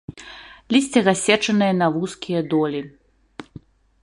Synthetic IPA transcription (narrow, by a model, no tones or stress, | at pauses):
lʲisʲt͡sʲɛɣasʲɛt͡ʂɐnɨjɐnɐvuskʲʰijɐd̪ɔlʲi